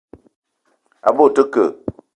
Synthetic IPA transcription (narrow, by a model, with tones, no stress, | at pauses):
a̰˨bo˦˨tə˦kə˨